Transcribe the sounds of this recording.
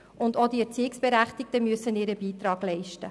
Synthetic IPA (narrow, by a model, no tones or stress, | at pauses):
ʊndodiɛɾt͡siːɪksb̥eɾæχtɪk̚təmyəsənɪːɾəbiːt̪ɾɑːɡ̥lɛɪʃtə